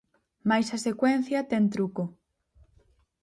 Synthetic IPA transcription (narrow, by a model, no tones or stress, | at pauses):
majsɐsekwɛn̟θjɐt̪ɛnt̪̬ɾuko